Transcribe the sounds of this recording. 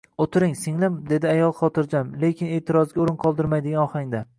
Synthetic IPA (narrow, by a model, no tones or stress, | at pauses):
ot̪ʰɪɾɪŋsɪŋlɪmd̪e̞d̪ɪajɒlˠχɒt̪ʰɪɾd͡ʒamle̞kʲʰɪne̞ːt̪ʰɪɾɒzɡʲaoɾɪnqʰɒlˠd̪ɪɾmajd̪ɪɡanɒχaŋd̪a